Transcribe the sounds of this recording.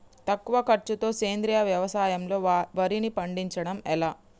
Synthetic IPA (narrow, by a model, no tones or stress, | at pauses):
t̪ɐkːuʋɐkɐɾt͡ʃut̪o̞ːseːnd̪ɾijaʋjɐʋɐsaːjɐmlo̞ːʋɐɾinipɐɳɖiɲt͡ʃɐɽɐmɛlaː